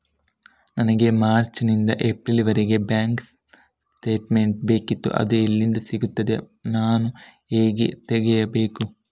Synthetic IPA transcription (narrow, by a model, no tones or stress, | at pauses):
nɐnɐɡe̞maːɾt͡ʃnind̪ɐʔepɾiliʋɐɾeɡe̞bjaːŋks | sʈe̞ːʈmeɳʈ̚beːkit̪ːṵʔɐ̰d̪uilːind̪ɐsiɡut̪ːɐd̪e | naːnu | eːɡḛt̪eɡɛjɐbe̞ːku